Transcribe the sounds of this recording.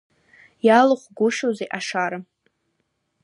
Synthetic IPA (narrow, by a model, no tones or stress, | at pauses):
jalɨχʷɡʷʊʃozeʔaʂaɾa